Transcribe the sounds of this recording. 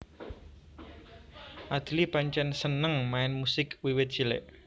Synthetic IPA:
ʔad̪̥i̤lipaɲt͡ʃɛnsənəŋmaɪnmusɪkwiwɪt̪̚ʒ̥ilḛʔ

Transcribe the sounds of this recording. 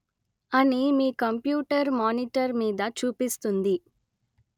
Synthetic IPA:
ɐnimiːkɐmpjuːʈɐɾmaːniʈɐɾmiːd̪ɐt͡ʃuːpist̪und̪i

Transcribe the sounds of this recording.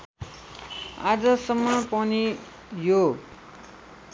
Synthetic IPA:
a̰d͡zʌsʌmːʌpʌni | jo

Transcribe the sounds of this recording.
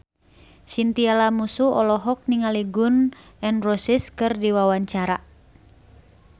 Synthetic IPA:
sint̪ialamusuɔlɔɦɔk̚niŋaliɡun | ɛnrɔsiskɨrdiwawaɲt͡ʃaɾa

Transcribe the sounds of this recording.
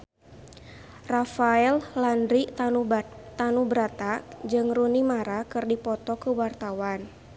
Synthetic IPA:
rafaɛllandɾit̪ubt̪anubɾat̪ad͡ʒɨŋrunimaɾakɨrdipɔt̪ɔkəwart̪awan

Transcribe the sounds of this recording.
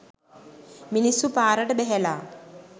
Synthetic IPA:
minisːupaːɾɐʈɐbeɦelaː

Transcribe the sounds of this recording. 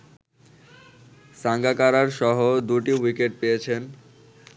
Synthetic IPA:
saŋɡakaɾaɾʃɔɦod̪uʈiwikeʈ̚pejet͡ɕʰen

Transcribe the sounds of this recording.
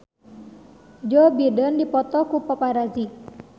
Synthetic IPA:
d͡ʒobidəndipɔt̪ɔkupɔpaɾazi

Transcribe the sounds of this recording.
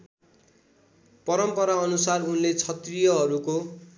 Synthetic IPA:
pʌɾʌmpʌɾaʌnusarunlet͡sʰʌt̪rijʌɦʌɾuko

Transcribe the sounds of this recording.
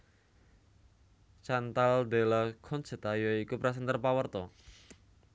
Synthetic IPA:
t͡ʃant̪ald̪elakʰɔnt͡ʃət̪ajoikupɾas̬ənt̪ərpawərt̪ɔ

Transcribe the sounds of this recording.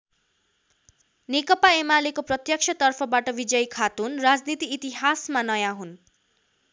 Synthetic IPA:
nekʌpaemalekoprʌt̪jʌk̚t͡ʃʰʌt̪ʌrpʰʌbaʈʌbid͡zʌjkʰat̪unrad͡znit̪iːt̪iɦasmanʌjãɦun

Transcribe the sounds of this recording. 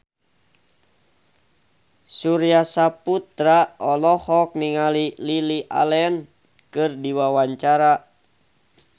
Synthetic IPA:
suɾiasaput̪ɾaɔlɔhɔk̚niŋalililiʔa̰lɛn | kɨrdiwawaɲt͡ʃaɾa

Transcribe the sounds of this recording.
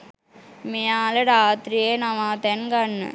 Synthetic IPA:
mijaːlɐɾaːt̪ɾijeːnɐʋãːt̪enɡɐnːɨ̰

